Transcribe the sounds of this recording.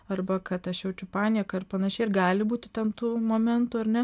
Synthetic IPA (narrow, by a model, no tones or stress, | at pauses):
ɐrbɐkɐt̪ɐʃjɛʊt͡ʃʲʊpɑːnʲiːkɐɪrpɐnɐʃʲɛɪɪrɡɑːlʲɪbuːt̪ʲɪ̥t̪ʲɛnt̪uːmoːmʲɛnt̪uːɐrnʲɛ